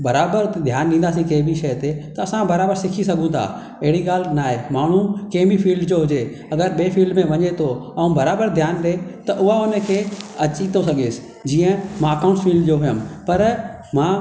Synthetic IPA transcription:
bɐɾaːbəɾd̪ʱjaːnɗĩːn̆d̪aːs̬ĩkeːbiʃɐjt̪et̪ɐɐsãbɐɾaːbəɾsɪkʰisɐɡʱũt̪ʰa̰ | ɐɦɪɽiɠaːl̤naːɦemaːɳ̤ũkeːmifiːlɖd͡ʑoɦʊd͡ʑe | ɐɡəɾɓeːfiːlɖmẽʋɐɲet̪ʰoɛũbɐɾaːbəɾd̪ʱjaːnɗet̪ɐʔʊɦaʊnəkʰeɐt͡ɕit̪ʰosɐɡʱeːsɪ̥ | d͡ʑiːə̃mãɐkãʊ̃ɳʈsfiːlɖd͡ʑoɦʊjəmpɐɾ | mãː

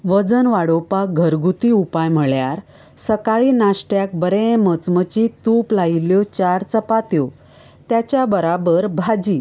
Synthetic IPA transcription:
ʋəd͡zənʋaɽopaɡʱəɾɡut̪iupajm̤əɭjaɾ | səkaɭiːnasʈjak̚bəɾẽmət͡smət͡ɕit̪uplailjɔt͡ɕaɾt͡səpat̪jo | t̪jat͡ɕjabəɾabəɾbʱad͡ʑiː

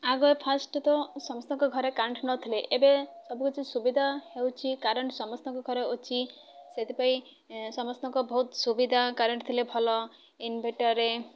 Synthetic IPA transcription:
aɡɔepʰasʈɔt̪ɔsɔmɔst̪ɔ̃ŋkɔɡʱɔɾekaɾɳʈnɔt̪ʰileʔebesɔbʱukɔt͡ʃʰisubid̪ʱahewt͡ʃʰikaɾɔɳʈsɔmɔst̪ɔ̃ŋkɔɡʱɔɾeot͡ʃʰi | set̪ʰipaĩ | sɔmɔst̪ɔŋkɔbʱɔɦut̪subid̪ʱakaɾɔɳʈt̪ʰilebʱɔlɔ | inbʱeʈɔɾe

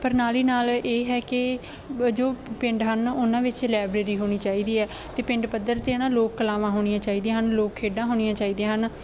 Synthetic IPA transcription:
pəɾnaːliːnaːleːɦɛːkɪ | d͡ʒoːpɪ̃ɳɖɦənʊnãːʋɪt͡ʃlaːbɾeːɾiːɦoːɽ̃iːt͡ʃaːiːd̪iːɛː | t̪eːpɪ̃ɳɖpəd̪əɾt̪eːnãːloːkːəlaːʋãːɦoːɽ̃ijãːt͡ʃaːiːd̪ẽːɦənloːkʰːeːɖãːɦoːɽ̃ijãːt͡ʃaːiːd̪ẽːɦən

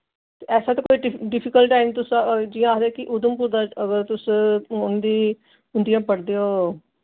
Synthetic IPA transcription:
t̪eːɛːsãːt̪ãːkoːiːʈɪɖɪpʰɪkəlʈaːimt̪ʊsd͡ʒiːãːaɾɛːkɪʔʊd̪əmpuːɾd̪aːəɡəɾt̪ʊsʊnd̪iː | ʊnd̪ijãːpəɽd̪eːoː

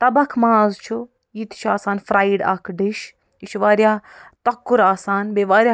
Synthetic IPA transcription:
t̪ɐbɐkʰmaːzt͡ʃʰu | jiːt̪t͡ʃʰaːsaːnfɾaːiɖɐ̰kʰɖiʃ | it͡ʃʰuʋaːɾjaːt̪ɐkːuɾaːsaːnbeːʋaːɾʲja

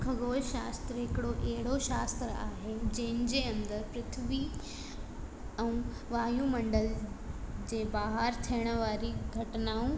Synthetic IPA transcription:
kʰɐɠoːlʃaːst̪ɾəɦɪkɪɽoʔɛɦɪɽoʃaːst̪ɾəaːɦed͡ʑɐ̃ɦɪ̃nɪ̆d͡ʑeɐ̃nd̪əɾpɾɪt̪ʰʋi | ɛ̃ũ | ʋaːɦjũmɐ̃ɳɖəl | d͡ʑeːbaːɦəɾt̪ʰiɽ̃ə̆ʋaːɾiɡʱɐʈɪnaːũ

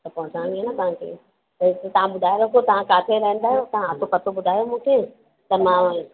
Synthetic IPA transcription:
t̪ɐpɐ̃ɦʊ̃t͡ɕãːŋiɦanət̪ɐʋ̤ãkʰḛː | t̪ɐʋ̤ãɓʊd̪ʱaːeɾɐkʰot̪ɐʋ̤ãkaːt̪ʰeɾɐɦə̃nd̪aːɦjot̪ɐʋãɐt̪ʰopɐt̪ʰoɓʊd̪ʱaːjomũːkʰeː | t̪ɐmã

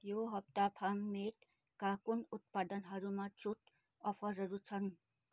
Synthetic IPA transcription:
joɦʌp̚t̪apʰamːeʈ | kakunut̪̚pad̪ʌnɦʌɾumat͡suʈ | ʌpʰʌɾɦʌɾut͡sʰʌn

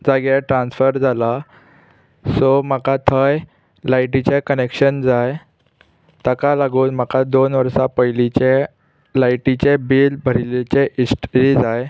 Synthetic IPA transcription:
d͡zaɡjaʈɾãnsfəɾd͡zʱala | somakat̪ʰəj | lajʈit͡ɕekənekɕənd͡zaj | t̪əkalaɡuːnm̤akad̪onʋəɾsapəjlit͡ɕe | lajʈit͡ɕebiːlbʱəɾilet͡ɕeʔisʈɾid͡zaj

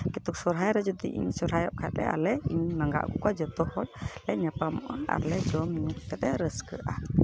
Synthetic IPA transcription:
kit̪uksɔɾɦajɾɛd͡ʒɔd̪iʔḭɲsɔɾɦajɔʔkʰɛt̪̚lɛ̰a̰lɛiɲmaŋɡa̰ʔkukad͡ʒɔt̪ɔhɔl̚lɛʔɲapamɔʔaʔa̰ɾlɛd͡ʒɔmɲuk̚k̪ɛt̪ɛɾəskə̰ʔa

